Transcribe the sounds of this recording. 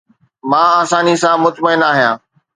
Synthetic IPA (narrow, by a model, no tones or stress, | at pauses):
mãːaːsaːnisãːmʊt̪məɪnaːɦijãː